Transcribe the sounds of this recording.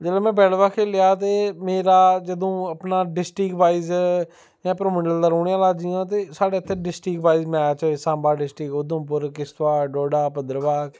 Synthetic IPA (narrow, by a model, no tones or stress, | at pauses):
d͡ʒəːlẽːmɛ̃ːbɛːlʋaːkʰeːlɪjaːt̪eːmeːɾaːd͡ʒəd̪õːəpnaːɖɪsʈɪkbaːiːz | jãːpɾoːmɪɖəld̪aːɾoːɳjãːlaːd͡ʒiːãːt̪̬eːsaːɽeːət̪ʰːeːɖɪsʈɪkbaːiːzmɛːt͡ʃoːeːsãːmbaːɖɪsʈɪkʊd̪õːpʊɾkɪst̪ʋaːɖoːɖaːpəd̪ɾʋaːk